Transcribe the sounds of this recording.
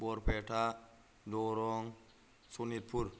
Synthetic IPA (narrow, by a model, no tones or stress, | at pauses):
bɔɾpʰeʈʰa | dɔɾɔŋ | sunit̪̚pʰuɾ